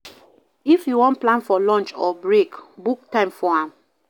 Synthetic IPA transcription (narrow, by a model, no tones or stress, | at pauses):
ifjuwɔ̃ntplãnfɔlɔ̃nt͡ʃɔbɹekbuk̚tãɪ̃mfɔãm